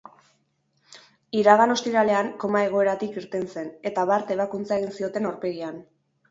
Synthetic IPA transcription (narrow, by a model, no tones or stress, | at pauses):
iɾaɣ̞ano̞st̪iɾale̞aŋko̞mae̞ɣ̞o̞e̞ɾat̪ikiɾt̪e̞nse̞ne̞t̪aβaɾt̪e̞β̞akunt͡sae̞ɣinsio̞t̪e̞nawɾpe̞ɣian